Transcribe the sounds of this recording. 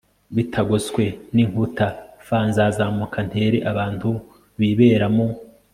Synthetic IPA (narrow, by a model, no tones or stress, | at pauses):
βitʰaɡoskwe̞niŋhutafaːnzazamokʰan̥he̞ːɾeʔaβaːntu | βiβe̞ːɾamo